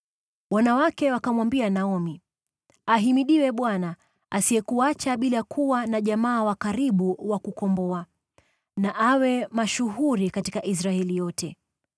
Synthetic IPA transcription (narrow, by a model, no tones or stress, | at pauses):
wanawakɛwakamwambianaɔmi | aɦimiɗiwɛɓwana | asiɛkuat͡ʃaɓilaakʰuwanaʄamaːwakaɾiɓuwakukɔmbɔa | naʔawɛmaʃuɦuɾikatikaʔis̬ɾaɛlijɔtɛ